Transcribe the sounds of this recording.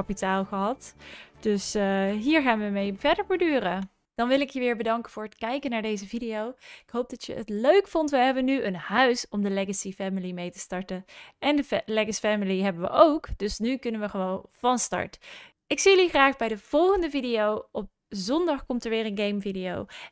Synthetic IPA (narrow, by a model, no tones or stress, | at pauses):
ɑpitaːlˠχəɦɑtd̥ɵsɦiːɹχaːnʋəmejvɛɹdəɹpodyːrə | d̥ɑnʋɪlˠɪkjəʋɪːɹbədɑŋkəvʊːɹətkɛjkənaːɹdejzəvidijowɪkɦowp̚dɑtjə̰ə̰tløɥkfɔntʋəɦɛbənyʔənhœɥsɔmdəlɛɡəsifɛməlimejtə̥stɑɹtənʔɛndəlɛɡəsfɛmɪliɦɛbənʋə̰ʔowkd̥ɵsnykɵnənʋəχəʋownv̥ɑnstɑ̰ɹt | ɪksijəliχraːχbɛjdəv̥ɔlˠχəndəvidijowɔp̚ | zɔndɑχkɔmtəɹʋɪːɹənɡejmvidijo̰w